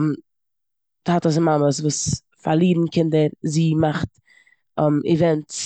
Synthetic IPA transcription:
m | tatəs̬ɪnmaməs̬vuːs | faɾlˠiːbn̩kʰɪndəɾziːmaχt | mivɛnt

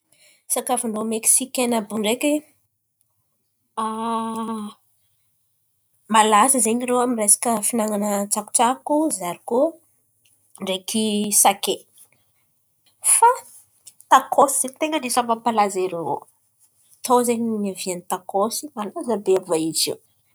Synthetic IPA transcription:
sakafuɳɖ͡ʐomeksikʲenabuɳɖ͡ʐeki | a | malazəzeɲirowamirejsḁkəfinaŋanət͡saku̥t͡sakuzaɾiko | ɳɖ͡ʐekisake | fa | t̪akʰosiz̥eɲt̪eŋɡəɳɖ͡ʐesamampalazeɾeɾo̰ | t̪ʰowzeɲnavianit̪akosimalazəbeabaizḭw

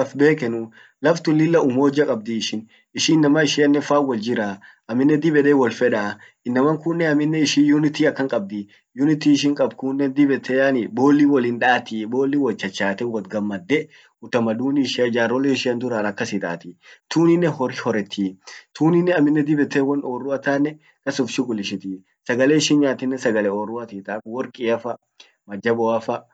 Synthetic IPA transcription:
ɐfbe̞ːkɛnʊ | lɐft̪ʊlːɪlːɐʊmoːd͡ʒːɐkʼɐb̚d̪iːʃɪn | ɪʃɪnːɐmɐɪʃɪɐnːɛfaːwɔld͡ʒɪɾaː | ʔɐmːɪnːɛd̪ɪbɛᶑ̪eːwɔlfɛᶑaː | ɪnːɐmɐŋkʊnːɛɐmɪnːɛɪʃijʊnɪt̪iːɐkːɐŋkʼɐb̚d̪ɪ | jʊnɪt̪iːɪʃ̬ɪŋkʼɐb̚kʊnːɛd̪ɪbɛt̪ʰːɛjɐnɪbo̞ːlːiːwɔlinᶑaːt̪ibo̞ːlːiːwɔlt͡ʃːɐt͡ʃːaːt̪ɛwɔt̪ɡɐmːɐd̪ːɛ | ʊt̪ɐmɐd̪uːniʃd͡ʒaːɾɔleɪʃɪɐnd̪ʊɾanɐkːɐsɪt̪ʼa̰ːt̪it̪uːnɪnːɛhɔɾhɔɾɛt̪ʰːiːt̪uːnɪnːɛɐmːɪnːɛd̪ɪbɛt̪ːɛwɐnoːrːʊɐt̪aːnːɛ | kɐsʊfʃɪɡʼʊlɪʃɪt̪iː | sɐɡɐleːɪʃɪnɲaːt̪ɪnːɛsɐɡɐlɛoːrːʊɐt̪iːt̪aːwɔɾkʼɪɐfɐ | mɐd͡ʒɐbɔɐfɐ

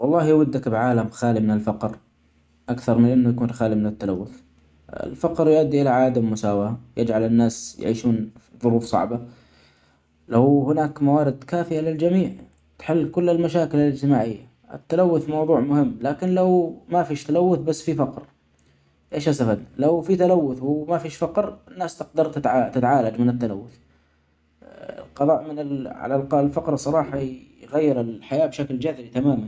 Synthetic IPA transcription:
wɑlˤːɑːhjwʊd̪ːakbʕaːlamxaːlimɪnɪlfɑqɾ | ʔakθɑɾˤmɪnʔɪnːʊjakuːnxaːlimɪnɪt̪ːalawːʊθ | ɪ̰lfɑqɾjʊʔad̪ːiʔɪlaʕaːd̪amːʊsaːwajɪd͡ʒʕalɪnːaːsja̰ʕḭːʃuːnðˤʊɾuːfsˤɑ̰ʕba | lahɪnaːkmawaːɾɪd̪kaːfɪjalɪld͡ʒamiːʕ | t̪ħɪlːkʊlːalmaʃaːkɪlalɪd͡ʒt̪ɪmaːʕɪjːa̰ | ʔɪ̰t̪ːalawːʊθmɑwðˤuːʕmʊhɪmːlaːkɪnlawmafiːʃt̪alawːʊθbasːfifɑqɾ | ʔeːʃhasafad̪nalawfit̪alawːʊθwɪmafiːʃfaqɾɪnːaːst̪ɪq̚d̪ɑɾˤt̪ɪt̪ʕat̪ɪt̪ʕaːlad͡ʒmɪnɪt̪ːala̰wːʊθ | ɪ̰lqɑðˤɑːʔmɪnɪlʕa̰lalqɑlfɑqɾsˤɑɾˤɑːħɑjɣajːɪɾɪlħajaːbʃakld͡ʒaðɾit̪amaːman

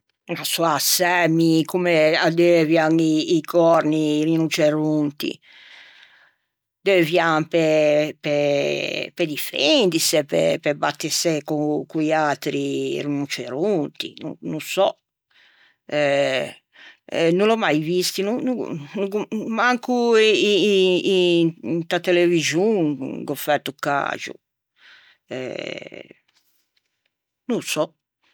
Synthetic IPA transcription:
nasɔasːɛmikumɛad̪ɛvjaŋiːkʰɔɾnirinut͡ʃeɾunt̪ḭ | d̪ɛvjampɛpɛ | pɛd̪ifend̪isepɛ̰pɛbat̪ːisɛkukuialt̪ɾirinut͡ʃeɾunt̪ḭnṵnusɔ | ɛ | nulɔmajvist̪inunṵnuɡumaŋku | nt̪at̪ɛleviʒuŋɡɔfɛɾt̪ukːa̰d͡ʒṵ | ɛ̰ | nusɔ

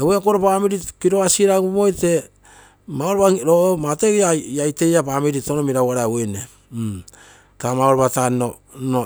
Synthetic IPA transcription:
ewekoɾopamiɾikiɾoasiɾaɡomojte̞ | maoɾoβaɾomateɡaajte̞japamiɾitonomiɾawaɾaawene | tamaoɾβatano | no

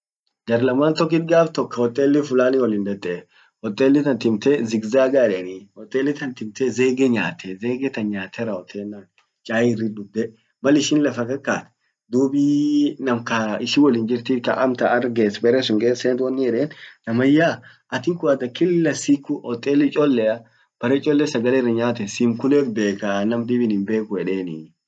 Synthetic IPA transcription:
d̪̥ɐɾlɐmaːnt̪ɔk̬ːɪt̪̚ɡaːft̪ɔkːɐɔt̪ʼːeːlːɪfʊlaːnɪwɔlɪnd̪ɐd̪ɛʔ | ɔt̪ʼːeːlːɪt̪ɐnt̪ɪmt̪ezɪɡzaːɡaːdɛɐnihɔt̪ʼːeːlːɪt̪ɐnt̪ɪmt̪eze̞ːɡeɲa̰ːt̪ʰeze̞ːɡɛt̪ɐnɲaːt̪ʰɛɾɐɔt̪ʰʼːeːnːaːn | t͡ʃʼaːjɪrːɪd̪ʊd̪ːɛ | mɐlɪʃɪnlɐfɐkɐkːaːt̪ɛ̥ | d̪uːbiːnɐmkɐɪʃɪwɔlɪnd͡ʒɪɾt̪ikɐ̰ʔɐmt̪ɐɐɾɡeːsbɛɾɛsʊŋkeːseːnt̪wɐnːɪjɛᶑeːnnɐmɐjaː | ʔɐt̪ɪŋkʊɐd̪ɐkɪlːɐsikːʊʔɔt̪ʼːeːlɪt͡ʃʼɔlːɛɐ | b̥ɐɾɛt͡ʃʼɔlːɛsɐɡɐlːrɐɲaːt̪ɛsimkʊlɛkbe̞ːkanɐmd̪ɪbɪnhɪnbe̞ːkʊɛᶑeːni

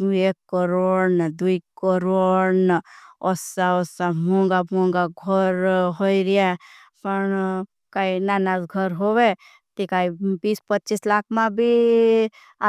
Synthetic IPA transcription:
eːkːəɾond̪uikəɾonɔsaɔsamõŋɡamõŋɡaɡʱɔɾɦoiɾia | pəɳ | kaːinaːnaːzɡʱəɾɦoʋe | t̪ikaibiːspətːt͡ʃislaːkʰmãbʱi | a

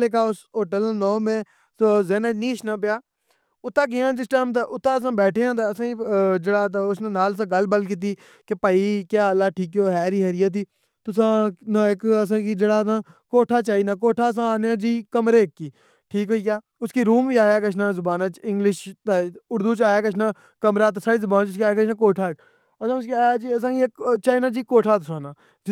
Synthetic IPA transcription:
leːkaːʊsɦoːʈəlnɔːmẽː | sozeːnãːniːʃnapɪjaː | ʊt̪ːãːk̬ijãːd͡ʒɪsʈaːmt̪eʔʊt̪ːãːəs̬ãːbɛːʈʰeːãːt̪eəsãːid͡ʒeːɽaːt̪̬ːʊsnẽːnaːls̬ãːɡəlbəlkɪt̪̬iː | kepəiːkjaːəlːaːʈʰiːkjoːɦɛːɾiːɦəɾɪjat̪̬iː | t̪ʊsãːnaɪkəs̬ãːkiːd͡ʒeːɽaːãːkoːʈʰaːt͡ʃaːiːnãːk̬oːʈʰaːəs̬ãːaːneaːd͡ʒiːkəmɾeːkːiː | ʈʰiːkɦoːiːkjaː | ʊskiːɾuːmʋiːaːjaːkət͡ʃʰnãːzʊbaːnãːt͡ʃɪ̃ŋɡlɪʃt̪eʊɾd̪uːt͡ʃaːjaːkət͡ʃʰnãː | kəmɾaːt̪ʊsãːiːzʊbaːnt͡ʃʊskiaːjaːkət͡ʃʰnãːkoːʈʰaː | əsãːskiaːjaːt͡ʃiəs̬ãːkikt͡ʃaːiːnãːd͡ʒiːkoːʈʰaːt̪̬ʊsãːnaː | d͡ʒ

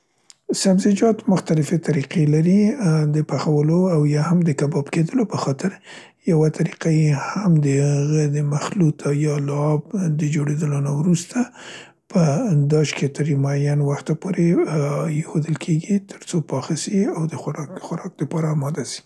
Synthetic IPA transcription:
sabzɪd͡ʒɑt̪mʊxt̪alɪfet̪aɾiqelaɾid̪əpaxawəloawjɑhamd̪əkabɑbked̪əlopəxɑt̪ɪɾ | jawat̪ʰaɾiqajehamd̪əhɣəd̪əmaxlut̪ʰajɑlɑb̚d̪əd͡ʒoɽed̪əlonawɾust̪a | pʰəd̪ɑʃket̪əɾmajanwaxt̪apoɾejexod̪əlkʰeɡit̪ʰəɾt͡sopɑxasiawd̪əxɾxʊɾɑk̚d̪əpɑɾaːmɑd̪asi̥

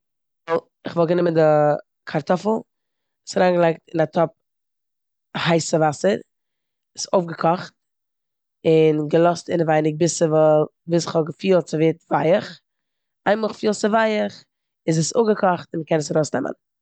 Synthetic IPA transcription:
vɔlˠ | ɪχvɔlˠɡənɪməndɪ | kʰaɾtɔfl̩ˠ | ɪsaɾaːnɡəlˠaɪk̚tɪnatʰɔp̚ | haɪsəvasəɾ | ɪsoʊfɡəkʰɔχt̚ | ɪnɡəlˠɔstɪnəvaɪnɪk̚bɪsəvɔviːsɪχhɔɡəfiːlˠt͡sɪveːtvaɪəχ | aɪməχfiːlˠt͡səvaɪəχ | ɪzɛso̰ɡəkʰɔχtɪnkɛnəs̬aɾoʊsnɛ̰mʔə̰n

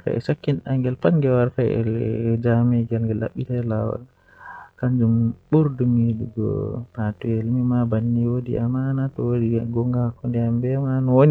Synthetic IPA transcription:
ta̰ʔɛ̰sakːinaŋɡɛlpanɡɛwaɾtaɛ̰d͡ʒamɛɡalɡɛlːa̰ɓːitalawa̰l | kand͡ʒumɓuɾdumiɗuɡɔ̰patuɛlmimabanːiwodiʔamanatɔwodiaɡɔŋɡakɔndɛambɛmanɔwon

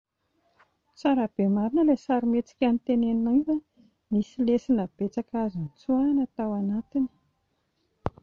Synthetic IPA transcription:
t͡saɾab̥emaɾinəlesaɾimet͡si̥kʲanit̪eneninava | misilesinəb̥et͡sakazint͡suanat̪awanat̪ini̥

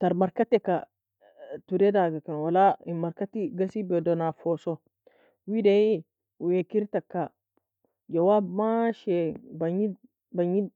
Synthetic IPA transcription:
taɾmaɾkatɛka | tuɾedaɡakanwalaimaɾkatiɡasibɛdɔnafoso | wideji | jekiɾtakːa | d͡ʒawabmaʃɛbaɲi | baɲi

